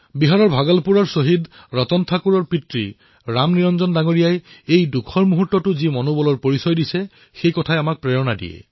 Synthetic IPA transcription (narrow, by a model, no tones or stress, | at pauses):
biɦaɹɔɹbʱaɡɔlpuɹɔɹsoɦid | ɹɔtɔntʰakuɹɔɹpitɹi | ɹamniɹɔnzɔndaŋoɹijajejdukʰɔɹmuɦutːɔtʊzimɔnobɔlɔɹpoɹisɔjdisɛ | xejkɔtʰajamak̚pɹɛjɔnadḭjɛ̰